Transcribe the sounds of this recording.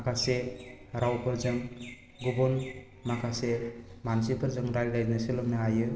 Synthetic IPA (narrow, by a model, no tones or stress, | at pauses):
akʰaseɾawpʰɯɾzɯŋ | ɡubɔn | makʰasemansipʰɯɾzɯŋɾaɾdajznasilɯmnaajɯ